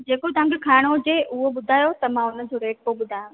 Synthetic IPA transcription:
d͡ʑeːkot̪ɐɦãŋkʰekʰaːɪɽ̃od͡ʑeʔʊɦoɓʊd̪ʱaːjot̪ɐmãʊnə̆d͡ʑoɾeːʈ̚poɓʊd̪ʱaːjʊ̃

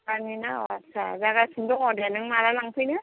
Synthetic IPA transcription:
kaninaɔatːsʰazaɡasundɔŋɔdanɯŋmaɾalaŋpʰɯjnɯ

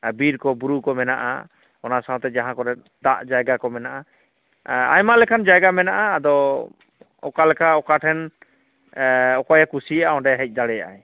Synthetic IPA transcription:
biɾkɔbuɾukɔmɛnaʔa̰ | ɔnasaãt̪ɛd͡ʒaɦãkɔɾɛ | d̪aʔd͡ʒajɡakɔmɛnaʔa | a̰jmalɛkʰand͡ʒajɡamɛnaʔaːd̪ɔ | ɔ̰kalɛkʰaɔkaʈʰɛn | ɔkajakusijaʔaɔ̃ɳɖɛɦɛc̚ˀd̪aɽɛja̰ʔaj

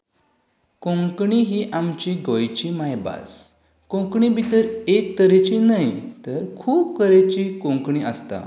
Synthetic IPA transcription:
kõŋkɳiɦiːʔamt͡ɕiɡʱojt͡ɕimajba̰s | kõŋkɳibit̪əɾek̚t̪əɾet͡ɕinaɦjt̪əɾkʰuːbkəɾet͡ɕikõŋkɳiʔəst̪a̰

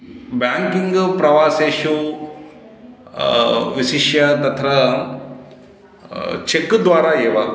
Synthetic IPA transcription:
baːŋkiŋɡpɾɐʋaːseːʃu | ʋiʃiʃjɐt̪ɐt̪ʰɾɐ | t͡ʃekːd̪ʋaːɾaːeːʋɐ

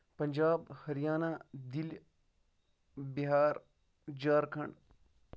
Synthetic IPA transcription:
pɐɲd͡ʒaːbhɐɾjaːnad̪il | biɦaːɾ | d͡ʒaːɾkʰɐɳɖ

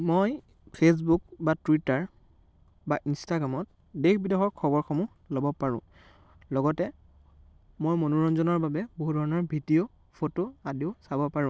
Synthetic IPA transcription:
moj | pʰes̬buk̚batwitaɹ | baʔinstaɡɹamɔt̚ | dexʰbidexɔɹkʰɔbɔɹxɔmu | lɔbɔpaɹʊ̰̃ | lɔɡɔtɛ | mojmonuɹɔnzɔnɔɹbabɛboɦudʱɔɹɔnɔɹbʱidijo | pʰotoadiʊsabɔpaɹʊ̃

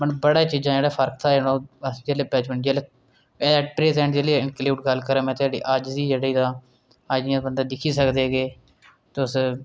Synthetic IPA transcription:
mənbəɽaːt͡ʃiːd͡ʒãːd͡ʒeːɽaːpʰəɾk̚t̪ʰaːnoːəsd͡ʒeːleːbɛːt͡ʃməɳʈd͡ʒeːleː | ɛːʈpɾeːzɛ̃ːɳʈd͡ʒeːleɪɳkliːʈɡəlkəɾãːmɛ̃ːt̪ʊaːɖḭːʔəd͡ʒziːd͡ʒeːɽid̪ãː | əd͡ʒibənd̪aːd̪ɪkʰːiːsəkd̪eːɡeː | t̪eːʊs

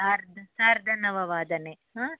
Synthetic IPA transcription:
saːɾd̪ɐsaːɾd̪ʱɐnɐʋɐʋaːd̪ɐneɦãː

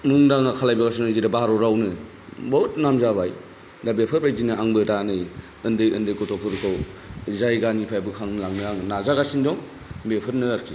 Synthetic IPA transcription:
muŋdaŋakʰalajbaɡasunɯziɾabaaɾɔɾawnɯ | botnamzaβaj | dabepʰɯɾpʰajzinɯaŋbɯtanɯj | ɯndɯjɯndɯjkɔtʰɔpʰɯɾkʰɯwzajɡanipʰajbɯkʰaŋnɯlaŋnɯaŋɯnazaɡasindɔŋ | bepʰɯɾnɯːɾkʰi

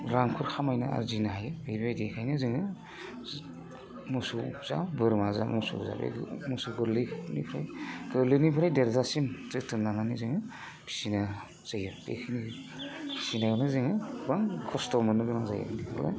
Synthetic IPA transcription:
ɾaŋkʰɯɾkʰamajna̰a̰ɾzinaɦajɯbɯjbajdekʰajnɯzɯŋɯ | musuz̥a̰bɯɾmaza̰musṵza̰bḛmusuɡɯɾlɯkʰnḭpʰɾajɡɯɾlɯnipʰɾajdeɾzasimtɯtʰɯnːananizɯŋɯ | bʰi̥sina | z̥ajɯmd̥ḛkʰɯni | bʰi̥sinajanɯzɯŋɯbaŋkʰɔstɔmɯnɯɡɯmaza̰jɯ̰mdikʰɯ̰la̰

